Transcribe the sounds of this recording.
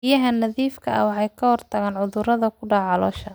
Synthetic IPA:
ɪjɐɦɐnɐðiːfkʰɐɐ̰wɑħɑjkʰɐhɔrt̪ʰɐɣaːnʕʊðʊɾɐðɐkʰʊɖɑʕɑlɔːʃɐ

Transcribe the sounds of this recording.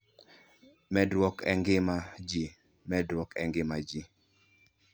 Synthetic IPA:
mɛdwɔkɛ̰ŋɡɪmad͡ʒi | mɛdwɔkɛŋɡɪmad͡ʒi

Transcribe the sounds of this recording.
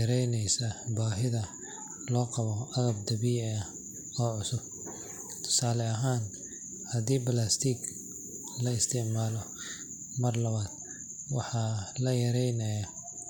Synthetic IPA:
ɐɾɛjnɛjsɐbaːɦɪðɐ | lɔːqɑβɔʔɐɣɐb̚d̪ɐβiɐ | ɔːʕʊsʊb̚ | t̪ʰʊ̥saːlɛɐɦaːn | hɐd̪iːbɐlast̪ʰiɡ | lɐɪst̪ʰɪʕmaːlɔ | mɐrlɐβaːd̪̥ | wɑħɑːlɐjɐɾɛjnɐjɐ

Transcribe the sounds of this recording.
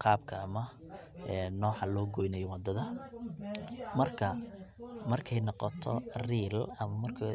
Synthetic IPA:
qʰɑːbkʰɐɐmɐ | ɛːnɔːħɑlɔːɡɔjnɛjɔwɑd̪ɐðɐ | mɐrkʰɐ | mɐrkʰɛjnɑqɔt̪ʰɔ̰riːlɐmɐmɐrkʰɐ

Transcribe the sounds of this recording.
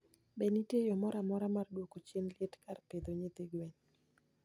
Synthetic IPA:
benitjejɔmɔɾamɔɾamardwokot͡ʃenlɪetkarped̪oɲet̪ɪɡweɲ

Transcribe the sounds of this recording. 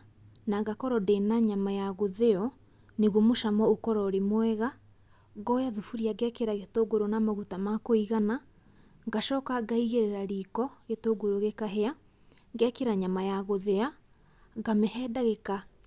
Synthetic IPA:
naɡakɔɾɔdenaɲamajaɣoðeɔ | neɣwomoʃamɔokɔɾɔɾemwɛɣa | ɡɔjaðufuɾiaɡɛkeɾaɣetoːɡoɾonamaɣutamakoiɣana | ŋɡaʃɔːkaɡaiɣeɾeɾaɾikɔetoːɡoɾoɣekaɦea | ŋɡɛkeɾaɲamajaɣoðea | ɡamɛhɛdaɣeka

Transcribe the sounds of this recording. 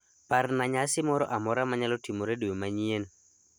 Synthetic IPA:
parnaɲasɪmɔɾɔʔamɔɾamaɲalɔtimoɾedujomaɲien

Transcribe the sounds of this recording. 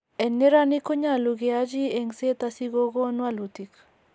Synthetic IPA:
enːeɾanikoɲaluɡead͡ʒieŋset̪asiɡoɡonwalut̪ik

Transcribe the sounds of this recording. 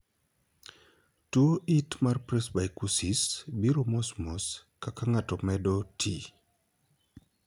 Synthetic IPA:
tuoʔitmarpɾɛsbaikusisbiɾɔmɔsmɔskakaŋatɔmɛdɔtʰi

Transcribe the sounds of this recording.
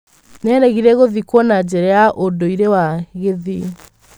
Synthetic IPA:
nɛɾɛɣiɾɛɣoðikwɔnad͡ʑɛɾɛaʔodoiɾewaɣeði

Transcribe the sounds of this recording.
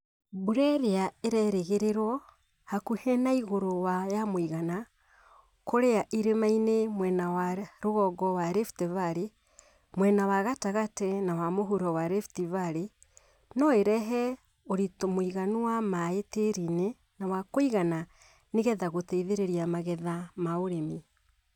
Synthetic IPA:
buɾɛɾeaeɾɛɾeɣeɾeɾwɔ | hakuhɛnaiɣoɾowajamwiɣana | koɾeaʔiɾemainemwɛnawaɾoɣɔɡɔwaɾeftɛvaɾe | mwɛnawaɣataɣatɛnawamoɦuɾɔwaɾɛftivaɾe | nɔeɾɛɦɛ | oɾitomoiɣanuwamaeteɾine | nawakoiɣana | neɣɛðaɣotɛiðeɾeɾiamaɣɛðamaoɾemi

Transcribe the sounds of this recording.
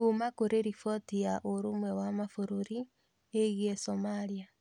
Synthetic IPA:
umakoɾeɾifɔtiaʔoɾumwɛwamafoɾoɾi | eɣiesomalia

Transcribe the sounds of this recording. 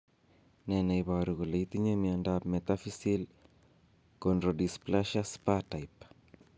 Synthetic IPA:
nɛnaiβaɾuɣuleit̪iɲemiandapmɛt̪afisil | kondɾodisplaʃaspatajp

